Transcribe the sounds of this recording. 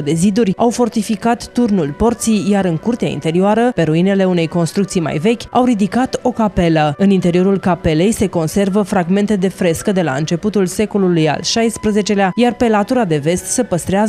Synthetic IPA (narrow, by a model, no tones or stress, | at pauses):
d̪e̞zid̪urʲawfo̞rt̪ifikat̪ːurnulpo̞rt̪sijjaɾɨŋkurt̪ea̰ḭnt̪e̞ɾioaɾəpe̞ɾuine̞le̞une̞jko̞nst̪ɾukt̪sijma̰jve̞kʲawɾid̪ikat̪o̞kape̞ləɨnint̪eɾio̞ɾulkape̞le̞jse̞ko̞nse̞rvəfɾaɡme̞nt̪e̞d̪e̞fɾe̞skəd̪e̞la̰ɨ̰nt͡ʃe̞put̪ulse̞ko̞luluja̰lʃajspɾəze̞t͡ʃe̞leajarpe̞lat̪uɾad̪e̞ve̞st̪se̞pəst̪ɾeaz